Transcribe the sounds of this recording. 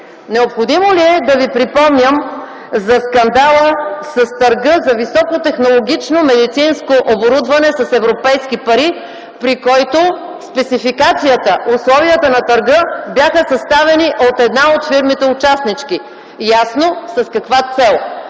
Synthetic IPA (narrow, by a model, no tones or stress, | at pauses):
nɛopxod̪imoliɛd̪ɐvipɾipɔmnʲəm | zɐskɐnd̪alˠəsɐst̪ɐɾɡəzɐvisɔkot̪ɛxnolˠoɡ̟ʲit͡ʃnomɛd̪it̪sinskoʔoboɾud̪vɐnɛsɐsɛvɾopɛjskipɐɾi | pɾikɔjt̪o | spɛt̪sifikat̪sijət̪əʔʊslˠɔviət̪ənɐt̪ɐɾɡəbjaxəsɐst̪avɛniʔot̪ɛd̪naot̪fiɾmit̪ɛʊt͡ʃasnit͡ʃki | jasnosɐskɐkvat̪sɛlˠ